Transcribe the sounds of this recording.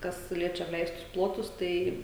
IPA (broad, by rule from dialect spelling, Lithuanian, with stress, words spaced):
ˈkɐs ˈlʲiɛt͡ʃʲɛ ɐpʲˈlʲɛɪstʊs ˈplˠoːtʊs ˈtɐɪ